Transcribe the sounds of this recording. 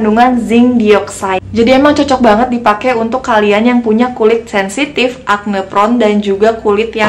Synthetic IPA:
nduŋanzɪŋdiɔksad͡ʒadiemaŋt͡ʃɔt͡ʃɔk̚baŋət̪̚dipakɛunt̪ʊkːalianjaŋpuɲakulɪt̪̚sɛnsit̪ɪfʔak̚nəpɾɔndand͡ʒuɡakulɪt̪ja

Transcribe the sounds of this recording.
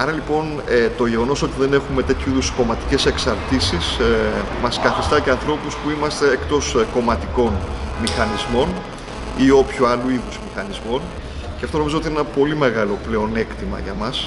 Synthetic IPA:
ɐɾɐlipo̞n | et̪o̞ʝe̞ɣo̞no̞so̞t̪iðe̞ne̞xume̞t̪e̞t̪ʰçuiðusko̞mɐt̪i̥ce̞se̞ksɐɾt̪isis | mɐskɐθist̪ɐce̞ɐnθɾo̞puspuimɐst̪e̞ːkt̪o̞sko̞mɐt̪iko̞nmixɐnizmo̞n | io̞pçuɐluiðuzmixɐnizmo̞n | ceɐft̪ono̞mizoot̪inenɐpo̞lime̞ɣɐlo̞ple̞one̞kt̪imɐ̰ʝɐmɐs

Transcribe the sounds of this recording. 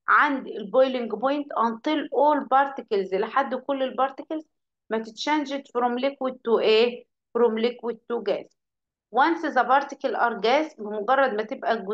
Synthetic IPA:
ʕand̪elbojlɪŋɡpojnt̪ʔɑnt̪ˤilʔoːlbɑɾˤt̪ɪkɪlzʔelɪħad̪ːkolːelbɑɾˤt̪ɪkelz | mæt̪ɪt̪ʃænʒet̪fɾomlikwet̪ːuːʔeː | fɾomlikwet̪ːuːɡæːs | wɑnsɪzɑbɑɾˤt̪ɪ̥kɪlʔɑɾˤɡæːsbɪmʊɡɑrˤːɑd̪mæt̪ebʔæɡʊ

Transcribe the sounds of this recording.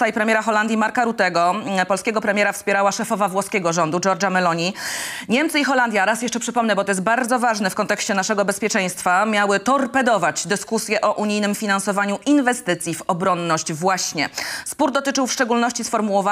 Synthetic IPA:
t̪ajpɾɛmʲjɛɾaxɔland̪ʲjimaɾkaɾut̪ɛɡɔpɔlskʲɛɡɔpɾɛmʲɛɾafspʲjɛɾawaʂɛfɔvavwɔskʲɛɡɔʐɔnd̪ud͡ʒɔɾd͡ʐamɛlɔɲiɲɛmt̪sɘixɔland̪ʲjaɾasjɛʂt͡ʂɛpʂɘpɔmnɛbɔt̪ɔjɛst̪̚baɾd̪zɔvaʐnɛfkɔnt̪ɛkɕt͡ɕɛnaʂɛɡɔbɛspʲjɛt͡ʂɛj̃st̪famʲjawɘt̪ɔɾpɛd̪ɔvat͡ɕd̪ɘskusʲjɛʔɔʔuɲijnɘmfʲinansɔvaɲuʔinvɛst̪ɘt̪sʲjivɔbɾɔnːɔɕt͡ɕvwaɕɲɛspuɾd̪ɔt̪ɘt͡ʂɘwfʂt͡ʂɛɡulnɔɕt͡ɕisfɔɾmuwɔva

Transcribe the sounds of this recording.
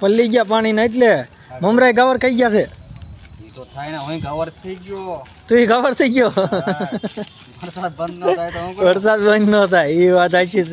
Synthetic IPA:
pəlːiɡjap̬aɽ̃inaeʈ̬le | məmɾajɡaʋəɾkʰəiɡjasʰe | it̪ot̪ʰajnaɦə̃ĩkaʋəɾt̪ʰəiɡjo | t̪uiɡaʋəɾt̪ʰəiɡjo | ʋəɾsad̪̚bənd̪nt̪ʰaj̪õʋəɾs̬ad̪bənd̪nət̪ʰajiʋat̪̬at͡ʃʰis

